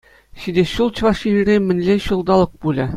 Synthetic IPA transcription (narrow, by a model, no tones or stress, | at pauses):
ɕid̪ʲeɕulˠt͡ɕvɑʂiɘɾʲemʲɘ̆nʲlʲeɕulˠd̪ɑlˠɤ̆k̚bulʲɘ